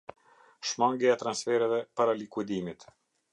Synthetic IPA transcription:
ʃmaŋɡɛat̪ɾansfɛɾɛvɛpaɾalikwid̪imit̪

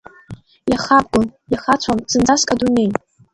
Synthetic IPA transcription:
jaχap̚ɡʷʊnjaχat͡ɕʷʰamsɨnd͡zaskʼadune̞j

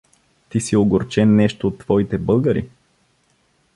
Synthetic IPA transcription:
t̪isioɡoɾt͡ʃɛnːɛʃt̪oːt̪ːv̥ɔit̪ɛbɤlˠɡəɾḭ

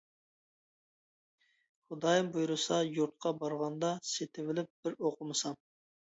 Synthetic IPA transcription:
χʊd̪ɑːjɨmbujuɾɨsɑjuɾt̪̚qʰɑbɑɾʁɑnd̪ɑset̪ʰɪvɪlɪp̚b̥ɪɾoqʰʊmɨsɑm

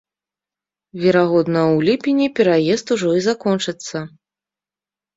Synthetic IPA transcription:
vʲɛɾaɣɔd̪nɐwlʲipʲinʲipʲɛɾajɛst̪uʐɔizakɔnt͡ʂɨt̪sːɐ

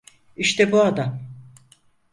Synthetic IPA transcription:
iʃt̪ɛbuad̪am

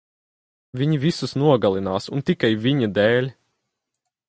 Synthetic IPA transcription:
vʲiɲivʲisusnuɔɡalˠinaːsunt̪ikajvʲiɲad̪ɛːlʲ

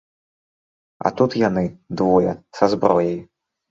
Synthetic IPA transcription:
a̰t̪ut̪janɨd̪vɔjɐsazbɾɔjɐj

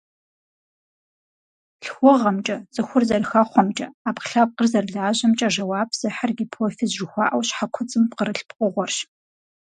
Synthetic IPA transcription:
ɬxʷɔʁɐmt͡ʃʼɐt͡sʼɨxʷʊrzɐrxɐχʷɔmt͡ʃʼɐaːpχɬaːp̚qərzɐrɮaːʑɐmt͡ʃʼɐʒɐwaːbʰz̥ɐħarɡʲipʰoːfizʒɪxʷɑːʔɐwɕħakʷʰʊt͡sʼɨmpqəɾɨɬpqʷʼʊʁʷɔrʃ

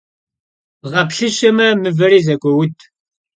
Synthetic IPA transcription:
ʁɐpɬɨɕɐmɐmɨvɐɾiːzɐkʷʼɔwʊtʰ

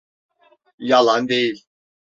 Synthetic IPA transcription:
jalˠand̪ejilʲ

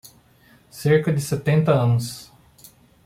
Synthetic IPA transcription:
seɾkɐd͡ʒɪset̪ẽnt̪ɐɐ̃nʊs

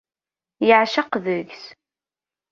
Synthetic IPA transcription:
jəʕʃaqðəʝs

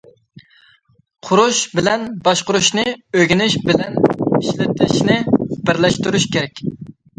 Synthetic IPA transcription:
qʰʊɾuʃbɪlɛnbɑʃqʊɾuʃnɨøɡʲɪnɪʃbɪlɛniʃlɪt̪ʰɪʃnɪbɪɾlɛʃt̪uɾuʃkʲeɾɛkʲ

